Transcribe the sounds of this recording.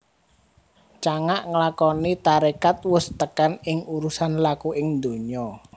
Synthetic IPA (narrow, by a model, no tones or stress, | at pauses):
t͡ʃaŋaʔŋəlakɔnit̪aɾekat̪̚wʊst̪əkanɪŋuɾusanlakuɪŋd̪o̤ɲɔ